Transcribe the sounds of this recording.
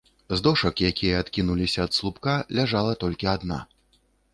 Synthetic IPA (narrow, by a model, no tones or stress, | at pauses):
zd̪ɔʂɐkjakʲijɐat̪kʲinulʲisʲɐːt̪slˠupkalʲaʐalˠɐt̪ɔlʲkʲiad̪na̰